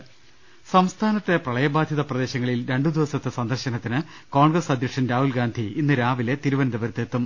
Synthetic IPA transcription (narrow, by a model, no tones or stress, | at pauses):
sɐmst̪ʰaːnɐt̪ːe̞prɐɭɐjɐbaːd̪ʱjɐðɐprɐd̪e̞ːɕɐŋːɐɭilɾe̞ɳɖud̪iʋɐsɐt̪ːɨsɐnd̪ɐrɕɐnɐt̪ːinɨko̞ːɳɡrɐsɐd̪ʱjɐkʂɐnɾaːɦulɡaːnd̪ʱiinːɨɾaːʋile̞t̪iɾuʋɐnd̪ɐbɐɾt̪ːeːt̪ːum